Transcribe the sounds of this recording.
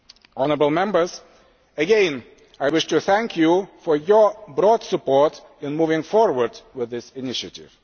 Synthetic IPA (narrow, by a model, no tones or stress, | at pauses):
ɔnəəbl̩ˠmɛ̃mbə˞z | ɨɡɛ̃n | ajwɪʃtɨθæ̃ŋkʰjufɔ˞jɔ˞bɹɔd̥səpɔɹt | ɨ̃nmuvɪ̃ŋfɔɹwə˞dwɪðɪsɪnɪʃɨtɪ̰v̥